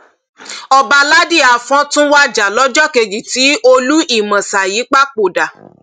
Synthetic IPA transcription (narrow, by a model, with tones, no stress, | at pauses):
ɔ˧ba˧la˦di˦˨a˨fɔ̃˦tũ˦wa˦d͡ʒa˨lɔ˨˦d͡ʒɔ˦ke˧ɡi˨ti˨˦ʔo˧lu˦ʔi˦˨mã˨sa˨jiː˨˦k͡pa˦˨k͡po˨da˨